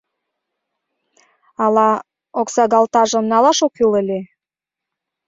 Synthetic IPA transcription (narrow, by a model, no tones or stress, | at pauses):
ɑlɑ | oksɑɣɑlt̪ɑʒə̆mnɑlɑʃokyləlʲe